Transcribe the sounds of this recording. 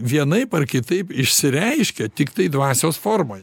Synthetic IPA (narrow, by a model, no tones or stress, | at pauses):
ʋʲiɛnɐɪpɐɾkʲɪt̪ɐɪpɪʃʲsʲɪɾʲɛɪʃʲkʲɛt̪ʲɪkt̪ɐɪd̪ʋɑːsʲoːsfoːɾmoːj